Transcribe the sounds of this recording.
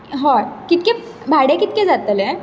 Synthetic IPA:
ɦɔkit̪̚ke | bʱaɽekit̪̚ked͡zat̪əlẽ

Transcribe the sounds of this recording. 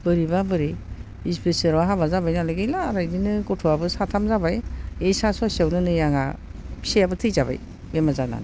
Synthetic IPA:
bɯɾibabɯɾi | ispesɯɾaɦabazabajnalɯɡɯjlaːɾajdinɯɡɔtʰɔabɯsatʰamzabajesasɔsiawnɯnɯjaŋa̰sejabɯtʰɯjzaba̰j | bemazana̰n

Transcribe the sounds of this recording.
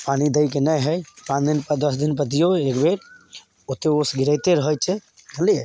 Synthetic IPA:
panid̪əjkenəjɦəjpãt͡ʃd̪inpəd̪əsd̪inpət̪ijoekbeɾ | ot̪eosɡiɾəjt̪eɾəɦəjt͡ʃʰɛbʱəlie

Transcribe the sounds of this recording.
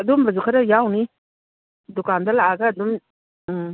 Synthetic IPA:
ɐdumbɐzukʰaɾɐjawni | dukandɐlaʔaɡɐːdum

